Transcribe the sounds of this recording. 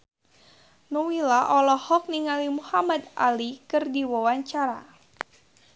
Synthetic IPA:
nuwilaʔɔlɔhɔk̚niŋalimuhamad̪a̰likɨrdiwawaɲt͡ʃaɾa̰

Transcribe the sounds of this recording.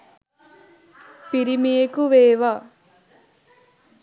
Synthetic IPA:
piɾimijekuʋeːʋɐ

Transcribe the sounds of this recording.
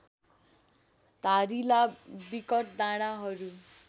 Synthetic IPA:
t̪aɾilabikʌʈ̚d̪aɽ̃aɦʌɾu

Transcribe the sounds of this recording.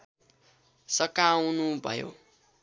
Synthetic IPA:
sʌkawnubʱʌ̰jo̰

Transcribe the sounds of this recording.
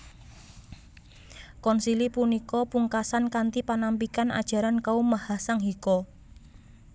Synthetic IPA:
kɔnsilipunikɔpuŋkasankant̪ipanampikana̰d̥ʒ̥ä̤ɾankaomahasaŋɦikɔ

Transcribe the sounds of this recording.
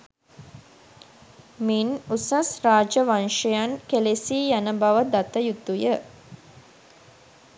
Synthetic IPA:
minusasraːd͡ʒəʋanʃəjankelesiːjanəbaʋəd̪at̪əjut̪ujə

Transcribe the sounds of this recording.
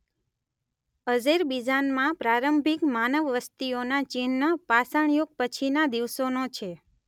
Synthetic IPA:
əd͡ʒeɾbid͡ʒanmãpɾaɾəmbʱikmanəʋʋəst̪ionat͡ʃinːəpasəɳjoɡ̚pət͡ʃʰinad̪iʋsonot͡ʃʰe

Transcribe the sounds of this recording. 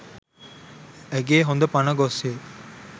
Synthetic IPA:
eɡeːɦond̪ɐpɐnɐɡoseː

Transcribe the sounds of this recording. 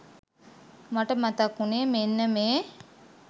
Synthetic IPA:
maʈəmat̪akːuneːmenːəmeː

